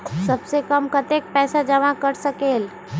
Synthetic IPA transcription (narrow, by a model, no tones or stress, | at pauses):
səbsekəmkət̪ek̚pɛːsad͡ʒəʋakəɾsəkeːl